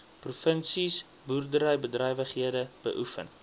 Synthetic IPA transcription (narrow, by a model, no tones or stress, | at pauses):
prufənsis | burdəɾəjbədrəjvəχɦiədəb̥ə̰ʔufə̰n